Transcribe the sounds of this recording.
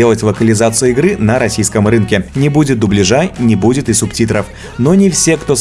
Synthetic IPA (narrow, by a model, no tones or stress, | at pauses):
elˠətʲlˠəkəlʲɪzat̪sɨjɪɡɾɨnəɾɐsʲijskəmrɨnkʲɪnʲɪbudʲɪt̪̚d̪ʊblʲɪʐanʲɪbudʲɪt̪ɨsʊptʲit̪ɾəf | no̞nʲɪfsʲe̞kt̪o̞